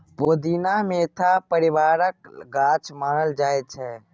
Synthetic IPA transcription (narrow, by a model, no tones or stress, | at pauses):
pod̪inamet̪ʰapəɾibaɾəkɡat͡ʃʰmaːɾəld͡ʒaj̪̚t͡ʃʰɛ